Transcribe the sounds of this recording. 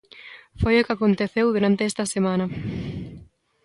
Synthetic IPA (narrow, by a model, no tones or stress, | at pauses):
fojokakont̪eθewðuɾant̪eɛst̪ɐsemãnɐ